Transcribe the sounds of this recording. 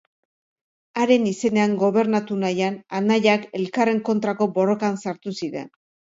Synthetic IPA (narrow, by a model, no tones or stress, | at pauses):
aɾe̞nise̞ne̞aŋɡo̞β̞e̞ɾnat̪unajananaʎake̞lkare̞ŋko̞nt̪ɾako̞bo̞ro̞kansaɾt̪usiɾe̞̰n